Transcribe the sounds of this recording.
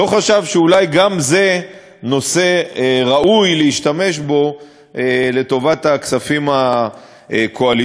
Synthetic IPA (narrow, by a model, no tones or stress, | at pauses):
o̞χaʃavʃeulajɡamze̞ | no̞se̞ʁaujleiʃtame̞ʃbo̞ | ele̞to̞vataksafima | kʰoal